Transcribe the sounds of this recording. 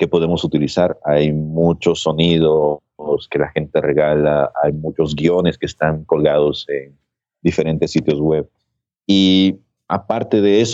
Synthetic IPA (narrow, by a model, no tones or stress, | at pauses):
ke̞po̞ðemo̞sut̪ilisaɾajmut͡ʃo̞sːo̞nið̞o | ske̞laxe̞nt̪e̞re̞ɣalaajmut͡ʃo̞zɡio̞ne̞skeːst̪aŋko̞lɣaðo̞sen | d̪ife̞ɾe̞nt̪e̞sːit̪jo̞zɣwe̞β | i | apaɾt̪e̞ðe̞es